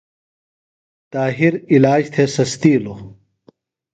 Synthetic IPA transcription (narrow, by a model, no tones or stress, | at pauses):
t̪aːɦiɾilaːd͡ʑt̪ʰesɐst̪iːlo